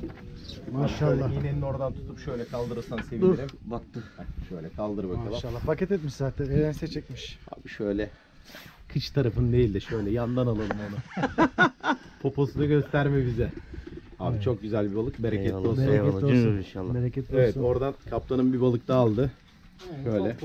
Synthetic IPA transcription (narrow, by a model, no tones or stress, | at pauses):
inʃalˠːajinenino̞ɾd̪ant̪ʰu̥t̪ʰupʃøjlʲɛkʰalˠd̪ɯɾɯɾsanse̞vieɾimbak̚t̪ʰɯaʃøjlʲɛkʰalˠd̪ɯɾɯbakalˠɯmʃaːafacɛt̪ɛt̪miʃzaːt̪ʰɛneɾɛnsɛt͡ʃʰɛc̚miʃa̰ːbiʃøjlʲɛ | kʰɯt͡ʃt̪ʰaɾafɯnd̪e̞jilʲd̪ɛʃøjlʲɛjand̪analˠɯlˠɯmonu | pʰo̞pʰo̞sunɯɟø̞st̪æɾmibizɛha̰ːbit͡ʃʰo̞k̚ɟyzælʲbibalˠɯk̚beɾecʰɛt̪ːoeeɛʃaːbeɾecʰɛt̪evɛt̪o̞ɾd̪ankʰaplˠanɯmbibalˠɯk̚d̪aːlˠd̪ɯ | ʃøjlʲɛ